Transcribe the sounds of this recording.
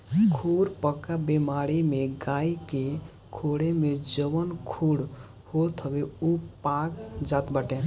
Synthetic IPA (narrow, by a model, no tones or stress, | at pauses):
kʰuɾpəkabemaɾimeɡaike | kʰoɽemed͡ʒəbənkʰuɽ | hot̪ʰəbeupakd͡ʒat̪bəʈẽ